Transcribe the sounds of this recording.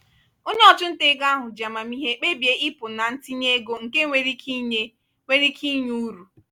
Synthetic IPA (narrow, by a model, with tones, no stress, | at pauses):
ʊ˦nɔ˦˨t͡ʃʊ˦n̩˦te˦ɡa˦ɦʊ˨d͡ʒa˨ma˨mi˦ɦe˦k͡pe˦bje˦ʔi˦pʊ˨na˨n̩˦ti˦ɲe˦ɡo˨ŋ̩˨ke˦ŋʷe˦ɾi˦ki˦ɲe˦ | ŋʷe˦ɾi˦kʰi˦ɲu˦ɾu˨